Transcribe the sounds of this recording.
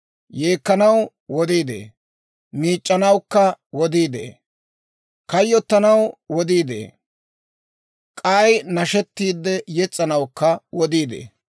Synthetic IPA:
jeːkːɐnɐw | wɔd̪iːd̪ḛː | miːt͡ʃʼːɐnɐwkːɐwɔd̪iːd̪ḛː | kɐjːɔt̪ːɐnɐwwɔd̪iːd̪ḛː | kʼɐjnɐʃɛt̪ːiːd̪ːɛjɛt͡sʼːɐnɐwkːɐwɔd̪iːd̪ḛː

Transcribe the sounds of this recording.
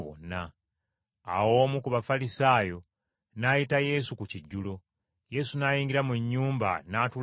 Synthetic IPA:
βo̰na̰ː | wo̞ːmukuβafalisaːjo̞ | naːjitaje̞sukuciɟːulo̞ | je̞sunaːjiːŋɡiɾamuɲːuːmba̰naːtu

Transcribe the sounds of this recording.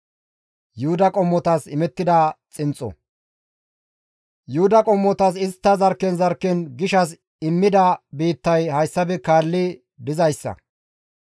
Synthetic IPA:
jʊhʊd̪ɐkʼɔmːɔt̪ɐsɪmɛt̪ːɪd̪ɐt͡sʼɪnt͡sʼɔ̰ | jʊhʊd̪ɐkʼɔmːɔt̪ɐs̬ɪst̪ːɐzɐɾkːɛnzɐɾkːɛnɡɪʃɐs | ɪmːɪd̪ɐbiːt̪ːɐjhɐjsːɐbɛkaːlːɪ | d̪ɪzɐjsːɐ̰

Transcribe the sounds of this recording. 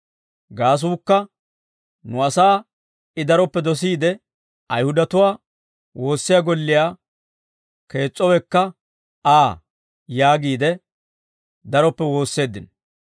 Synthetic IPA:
ɡaːs̬uːkːɐ | nʊɐsaː | ɪd̪ɐɾɔpːɛd̪ɔs̬iːd̪ɛ | ɐjhʊd̪ɐt̪ʊwaː | wʔo̞ːsːɪjaɡɔlːɪjaː | ke̞ːt͡sʼːɔwɛkːɐ | aː | jaːɡiːd̪ɛ | d̪ɐɾɔpːɛwo̞ːsːe̞ːd̪ːɪn

